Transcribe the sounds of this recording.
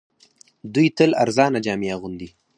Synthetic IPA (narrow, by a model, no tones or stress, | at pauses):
d̪ujt̪əla̰ɾzɑːnad͡ʒɑːmijaɣund̪i